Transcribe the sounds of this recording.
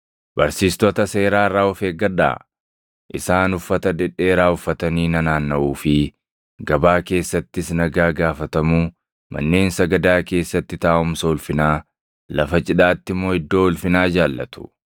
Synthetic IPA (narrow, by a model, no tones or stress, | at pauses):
bɐɾsiːst̪ɔt̪ɐse̞ːɾaːɪrːaːʊfeːɡɐᶑa̰ː | ʔɪsaːnʊfːɐt̪ɐd̪ɛᶑːe̞ːɾaːʊfːɐt̪ɐniːnɐnaːnːɐʔuːfɪ | ɡɐbaːke̞ːsːɐt̪ːɪsnɐɡaːɡaːfɐt̪ɐmuː | mɐ̰nːe̞ːnsɐɡɐd̪aːke̞ːsːɐt̪ːɪt̪aːʔʊmsɐʊlfɪnaː | lɐfɐt͡ʃʼɪᶑaːt̪ːɪmːo̞ːɪd̪ːo̞ːʊlfɪnaːd͡ʒaːlːɐ̰t̪ʊ̥